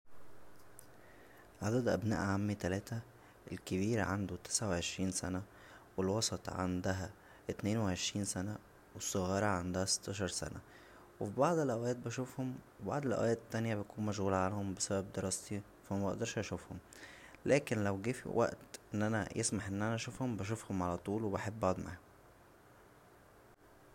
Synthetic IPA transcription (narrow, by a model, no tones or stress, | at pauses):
ʕad̪æd̪ʔæ̰bnæ̰ːʔʕamːit̪ælæːt̪æ | ʔelkeβiːɾæʕand̪ot̪e̥sʕaweʕeʃɾiːnsæ̰næ | welwɑsˤɑt̪ˤʕa̰nd̪æɦæ | ʔet̪neːnweʕeʃɾiːnsænæ | wesˤːoɣɑːɾˤɑʕand̪ohæse̥t̪ʰːɑːʃ̬ɑɾˤsæ̰næ̰ | wefibɑʕd̪ˤelʔæwæːt̪̚bæʃuːfhomwebɑ̰ʕd̪ˤelʔæ̰wæːt̪t̪ːænjæbet̪ækuːnmæʃɣuːlæʕalnhombesæbæb̚d̪eɾˤɑːst̪i | fæmæbɑʔd̪ɑɾˤʃʔɑʃuːfhom | læːkenlæwɡiːfḭwʔæ̰ʔt̪ʔenːʔænæ̰jʔesmaħʔenːʔænæʔæʃufhombæʃ̬ufhomʕalæt̪ˤuːlwebaħebːʔɑʕd̪ˤma̰h